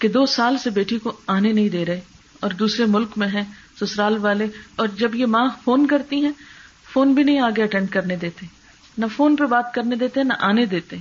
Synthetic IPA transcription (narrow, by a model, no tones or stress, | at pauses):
ked̪oːsaːlsebeːʈʰikoaːnenɐɦĩd̪eːɾɐɦeɔːɾd̪uːsɾemʊlkmẽɦɛ̃ːsʊsɾaːlʋaːleɔːɾd͡ʒɐbjemãːfoːnkɐɾt̪iɦɛ̃ː | foːnbʱinɐɦĩaːɡeɐʈɛ̃ːɳɖ̚kɐɾned̪eːt̪eɦɛ̃ | nɐfoːnpɐɾbaːt̪kɐɾned̪eːt̪eɦɛ̃nɐʔaːned̪eːt̪eɦɛ̃